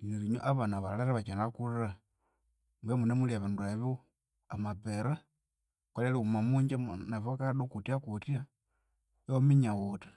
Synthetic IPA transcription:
iniɾiɲo̰ʔaβanaβalalaɾaβat͡ʃanalakulaɾa | mwemunemuliaβanduaβ | amapeɾa | kwaleliumamuɲd͡ʒamnafokaɗokutiakutia | eomiɲawotḁ

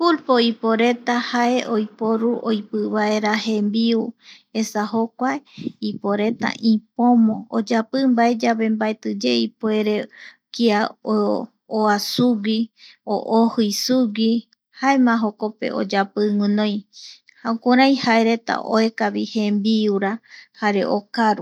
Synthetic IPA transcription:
fulpoipoɾe̞t̪ahaeʔojpoɾuʔojpɨβae̞ɾahẽmbiu | esaɦokʷaeipoɾe̞t̪a̰ʔĩpõmõo̰d͡ʒapɨmbae̞d͡ʒaβe̞mbaet̪ɨd͡ʒeipoe̞ɾe̞ | kia | oasuɡio̰ʔohɨjsuɡi | haemãɦoko̞pe̞̰ʔo̞̰d͡ʒapɨŋɨ̃nõj̃ | haokʷaɾãj̃hae̞ɾe̞t̪a̰ʔo̰e̞kaβihẽmbiuɾahaɾe̞ʔokaɾu

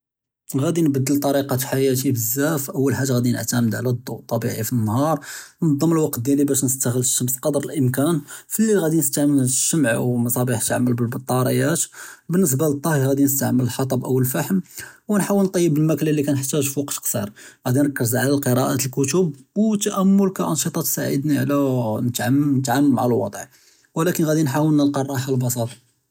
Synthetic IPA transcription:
ɣæd̪inbəd̪ːəlt̪ˤɑɾiqɑt̪ħajæt̪̬ibəzːæfʔəwːəlħaʒːaɣæd̪inə̰ʕt̪æməd̪ʕlæd̪ˤːoʔt̪ˤːɑbḭʕifinːhɑɾˤnɑd̪ˤːəməlwɑqt̪d̪jænibæʃnəst̪æɣələʃːəmsqɑd̪ɾˤəlʔəmkænfilːiɣæd̪inəst̪aʕmənʃːəmʕwmɑsˤɑbiħt̪aʕməlbəlbət̪ˤːɑɾˤijæt̪bənːəs̬balət̪ˤːɑhɣæd̪inəst̪aʕmələlħɑt̪ˤɑbʔəwːəlfaħəmwənħawəlnt̪ˤɑjːəbəlmæklalːikænħt̪ːæʒfwɑqt̪qsˤḭɾˤɣæd̪inɾɑkːəzʕlælqəɾɑʔat̪əlkʊt̪ubwt̪ːæʔæmːʊlkæʔɑnʃət̪ˤɑt̪sa̰ʕə̰d̪niʕlænət̪ʕamnət̪ʕamːəmaʕalwɑ̰d̪ˤʕ | wəlækənɣæd̪inħawəlnəlqɑrˤːɑħalbɑsˤɑt̪ˤ

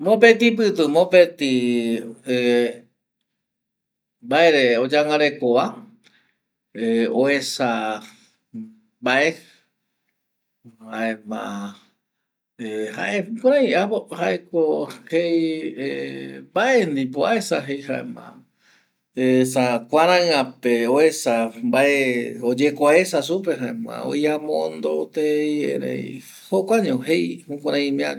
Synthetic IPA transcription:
mõpet̪ip̬ɨt̪ɨmõpet̪i | e | baeɾeod͡ʒaŋɡaɾekoʋa | eoesa | baʔe | haʔemã | ehaʔekõɾ̃ãĩahaʔekohejembaʔend̪ip̬oaesaɦejhaʔḛmã̰ | esakʷaɾ̃ããpeoesambaʔeod͡ʒekʷaesas̬up̬eɦaemã̰o̰jamõnd̪ot̪ejḛɾḛj̰ | hokʷaɲõhejhũkʷãɾ̃ãj̃mĩa

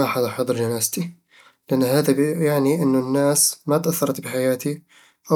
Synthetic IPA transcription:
aħad̪aħɑd̪ˤɾd͡ʒanaːzt̪i | lɪʔanːhaːðabjaʕniʔɪnːʊnːaːsmat̪ʔaθːɑɾˤɑt̪bɪħajaːt̪i | ʔa

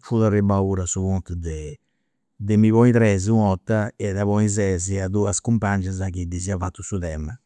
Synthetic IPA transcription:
fulaɾebauɾasuβɔnt̪ud̪e | d̪emiβɔit̪ɾɛzuɔt̪ːaɛd̪aβɔizɛziad̪uaskumpand͡ʒazakid̪iziafat̪ːusut̪ɛma

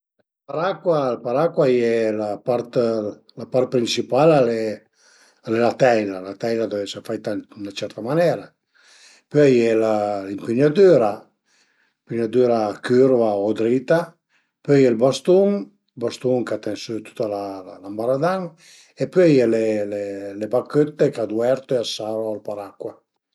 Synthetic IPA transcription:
l | paɾakwalapaɾakwajɛlapaɾt̪ | lapaɾt̪̚pɾinsipalalɛ | alɛlat̪ɛjlalat̪ɛjlad̪ovɛseɾfajt̪annat͡ʃɛɾt̪amanɛɾa | pøjɛlalimpiɲad̪yɾa | mpiɲad̪yːɾakyɾvaod̪ɾit̪a | pøjɛlbast̪uŋ | lbast̪uŋkat̪ɛnsyt̪u̥t̪ːalalalambaɾad̪aŋ | epøjɛlelelebakːøt̪ːekad̪uɛɾt̪oeasaɾoalpaɾakːwa

